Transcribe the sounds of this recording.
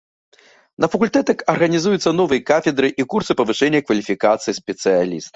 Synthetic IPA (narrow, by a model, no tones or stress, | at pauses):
nɐfɐkulʲt̪ɛt̪ɐkɐrɣɐnʲizujut̪sːɐn̪ɔvɨjɐkafʲɛd̪ɾɨʔikursɨpɐvɨʂɛnʲːɐkvɐlʲifʲikat̪sɨjispʲɛt̪sɨjalʲist̪ɐ